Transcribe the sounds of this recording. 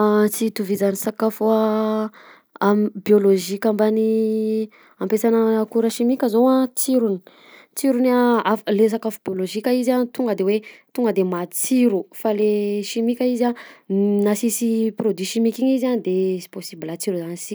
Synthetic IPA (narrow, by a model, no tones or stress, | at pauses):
t͡sit̪uvid͡zanisakafua | ambioloʒikʲambani | ampesanakuɾəʃimikʲəzowat͡siɾuni̥ | t͡siɾunaafles̬akafubioloʒikʲaizanit̪uŋɡəd̪ewet̪uŋɡəd̪emat͡siɾufaleʃimikʲaizanasisiprod̪wiʃimikiɲizand̪esi̥posibilat͡siɾuzanisi